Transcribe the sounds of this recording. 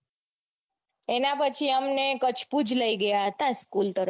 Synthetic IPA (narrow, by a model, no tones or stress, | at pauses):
enapət͡ʃʰiəmnekət͡ʃʰpud͡ʒʱləiɡəjaɦət̪askult̪əɾ